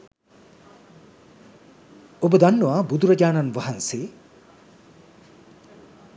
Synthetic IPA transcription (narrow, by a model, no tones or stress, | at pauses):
obɐd̪ɐnːuabud̪uɾɐd͡ʒaːnɐnʋɐɦɐnse